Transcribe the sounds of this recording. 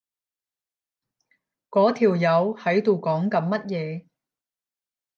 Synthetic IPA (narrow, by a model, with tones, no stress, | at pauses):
kɔː˨˥t̪ʰiː˨˩wjɐ˨˧whɐ˨˥jt̪o˨˧wkɔː˨˥ŋkɐ˨˧nmɐ˥t̚jɛː˨˧